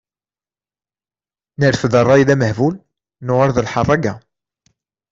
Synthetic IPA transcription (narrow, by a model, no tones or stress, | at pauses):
nəɾəfðərˤːɑjiðæməhvul | nʊʁəɾˤðəlħɑrˤːɑɡæ